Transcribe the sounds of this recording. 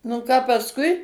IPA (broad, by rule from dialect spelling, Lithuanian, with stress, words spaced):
nʊ ˈkɑː pɐsˈkʊɪ